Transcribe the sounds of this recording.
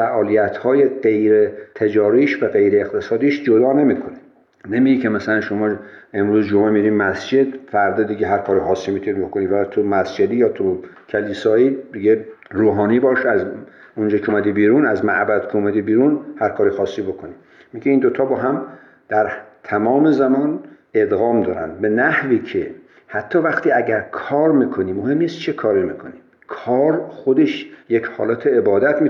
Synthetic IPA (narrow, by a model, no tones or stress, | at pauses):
fæʔɒːlijæt̪ʰhɒːjeɢe̞jɾet̪ʰed͡ʒɒːɾiːʃvæɣe̞jɾeːxt̪ʰesɒːd̪iːʃd͡ʒod̪ɒːnemiːkʰone | nemiɟikʰemæsælænʃomɒːe̞mɾuːzd͡ʒomʔemiɾiːmæsd͡ʒe̞d̪fæɾd̪ed̪iɟeɦæɾkʰɒːɾixɒːsːimit̪ʰunibokonivæt̪ʰumæsd͡ʒed̪ijɒːt̪ʰu | kʰeliːsɒːiːd̪iɡeɾuːɦɒːniːbɒːʃeæz | ond͡ʒɒːkʰeomæd̪iːbiːɾunæzmæʔbæd̪kʰeomæd̪iːbiːɾunhæɾkʰɒːɾixɒːsːibo̞kʰoni | miɡʲeind̪ot̪ʰɒːbɒːɦæm | d̪̥æɾt̪ʰæmɒːmezæmɒːn | e̞d̪ɣɒːmd̪ɒːɾæ̰nd̪be̞næhviːkʰe | hæt̪ʰːɒːvæxt̪ʰiːæɟæɾkʰɒːɾmiːkʰoniːmːohe̞mːiːst̪t͡ʃʰekʰɒːɾimikʰoni | kʰɒːɾxod̪e̞ʃjechɒ̰ːlæːt̪ʰeːbɒːd̪æt̪mi